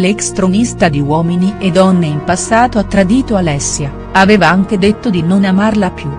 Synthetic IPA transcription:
lekst̪ɾomist̪ad̪iwɔːminied̪ɔnːeimpasːaːt̪oat̪ːɾad̪iːt̪oalɛsːja | aveːvaaŋk̟ed̪et̪ːod̪inonamarlapju

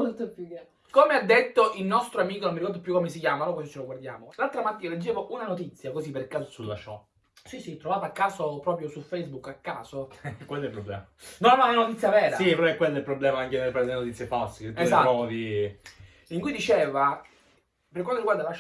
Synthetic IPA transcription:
olt̪opjukːe | komead̪ːet̪ːoʔilnɔst̪ɾoamiːkononmiɾikɔrd̪opjukːomes̬ikjaːmanokosit͡ʃeloɡward̪jaːmolalt̪ɾamat̪ːiːnaled͡ʒːeːvoʔunanot̪̬it̪sːjakosipːerkaːsosulːaʃɔ | sisit̪ːɾovaːt̪aːkːaːsopɾɔːpɾjosufejzbukːakːaːsokwelːɛilpɾoblɛ̰ːmanonamananot̪it̪sːjavɛːɾasipɾɔɛkːwelːɛilpɾoblɛːmaaŋkenelpaɾed̪elenot̪it̪sjefalse̥eeaɔod̪i | iŋkujd̪it͡ʃeːva | peɾrk̬want̪oɾiɡward̪ala

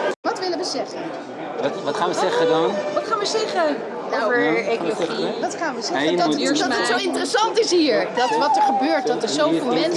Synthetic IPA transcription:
ʋɑtʋɪləʋəzɛχən | tʋɑtχaːnʋəzɛχədɑnʋɑtχaːnʋəzɛχə | daəekolloχiʋɑtχaːnʋəzɛədɔsoɪntərəsɑntɪsɦiːɹdɑtʋɑtəɹχəbøːɹtʋɔtəsowfɪːlˠmɛn

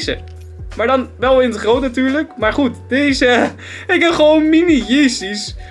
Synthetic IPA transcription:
sə̰ | maːɹdɑnʋɛlˠɪndəχrowtnatyːɹləkmaːɹχutdɪtɪsə | ɪɡbɛnχəʋownminijestis

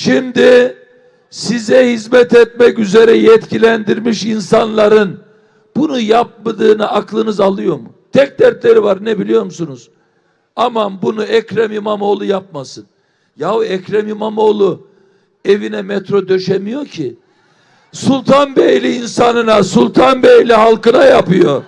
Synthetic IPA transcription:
ʃimd̪i | sizɛhizmɛt̪ɛt̪̚mɛcyze̞ɾɛjɛt̪cʰilʲænd̪iɾmiʃinsanlˠaɾɯn | bunujap̚mad̪ɯːnɯʔaklˠɯnɯzalˠɯjo̞ɾmut̪ʰɛc̚d̪æɾt̪lʲeɾivaɾnɛbilʲijo̞ɾmusunuz̥ | amabunuɛcɾamimamo̞ːlˠujap̚masɯn | javɛcɾɛmimamoːlˠu | evinɛmɛt̪ɾo̞d̪ø̞ʃemijo̞cʰi | sulˠt̪ʰanbejlʲiːnsanɯnasulˠt̪ʰanbejlʲiɦalˠkɯnajapɯjo̞

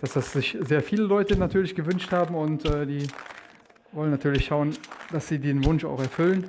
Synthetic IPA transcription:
d̥asd̥asz̥ɪçzeːɐfiːləlɔʏtənatʰyːɐlɪçɡ̥əvʏnʃthaːbm̩ʊntʔɛːdiː | vɔlənːatʰyːɐlɪçʃaʊənd̥asz̥iːdiːnvʊnʃa̰ʊxɛɐfʏlən

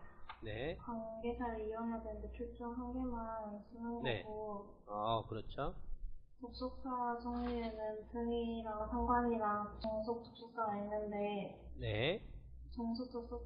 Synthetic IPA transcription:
ne̞kwaŋɡe̞t͡ɕʰaɾeiʌŋɦadwenndepʰjuɭt͡ɕ͈oŋɦanɡemans͈ɯnɯnɡnʌḛɡo | akɯɾʌt͡ɕʰotok̚s͈ok̚s͈ad͡ʑʰʌŋɲienɯntɯŋiɾaŋsʰaŋɡwaɲiɾaŋt͡ɕoŋsʰok̚t͈ok̚s͈ok̚s͈aɡainːɯnde̞ne | t͡ɕʌŋsʰok̚t͈ʰok̚s͈o

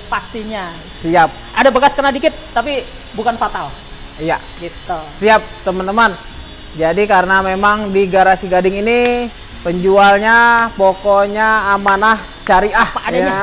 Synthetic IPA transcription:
past̪iɲa | siap̚ʔadabəkaskənadikɪt̪̚ːapi | bukanfat̪al | ija | ɡit̪lsiap̚t̪əmənt̪əmən | d͡ʒadikaɾənamemaŋdiɡaɾasiɡadɪŋini | pəɲd͡ʒualɲapokoɲaːmanah | ʃaɾiahad

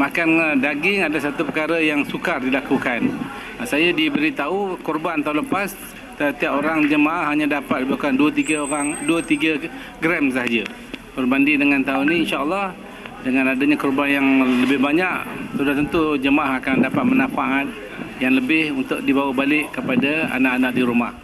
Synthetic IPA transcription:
makandaɡɪŋadasat̪upəkaɾəjaŋsukardilakukan | sajadibəɾit̪aukɔrbant̪aũləpas | t̪ət̪iapoɾaŋd͡ʒəmaʔahɦːaɲãdapat̪̚ibaukanduət̪iɡəaŋduət̪iɡə | ɡɾɛms̬aɦd͡ʒə | bərbandidəŋant̪auniːnʃaəlːɑh | dəŋãnadaɲakɔrbanjaŋləbɪhbaɲaʔsudaht̪ənt̪ud͡ʒəmaʔaɦakandapat̪̚mənãfaʔat̪̚ | jaŋləbɪhunt̪ʊʔ̚dibawəbalɪʔkːəpadaa̰naʔanaʔ̚diɾumah

